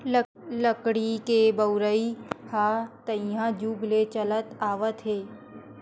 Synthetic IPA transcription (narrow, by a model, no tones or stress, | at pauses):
ləkɽikebəʊɾəikʰat̪əĩɦãd͡ʒuːɡlet͡ʃələt̪aːʋət̪ɦeː